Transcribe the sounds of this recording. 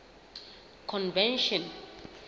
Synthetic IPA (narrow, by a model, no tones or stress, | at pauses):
kʰɔ̃nvɛ̃nʃɔ̃n